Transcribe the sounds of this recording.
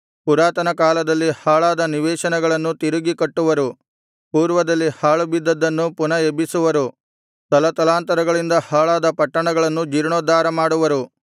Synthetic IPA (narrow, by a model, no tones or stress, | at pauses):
puɾaːt̪ɐnɐkaːlɐd̪ɐlːihaːɭaːd̪ɐniʋɛːʃɐnɛɡɐɭɐnːut̪iɾuɡikɐʈːuʋɐɾu | puːɾʋɐd̪ɐlːihaːɭubid̪ːɐd̪ːɐnːupunɐebisuʋɐɾu | t̪ɐlɐt̪ɐlaːnt̪ɐɾɐɡɐɭind̪ɐhaːɭaːd̪ɐpɐʈːɐɳɐɡɐɭɐnːud͡ʒiɾɳoːd̪aːɾɐmaːɽuʋɐɾu